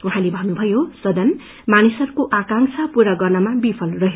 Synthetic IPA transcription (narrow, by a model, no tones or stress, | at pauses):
uɦãlebʱʌnubʱʌjosʌd̪ʌn | manisʌɾukoʔakaŋsʰʌpuɾʌɡʌrnʌmabipʰʌlrʌɦe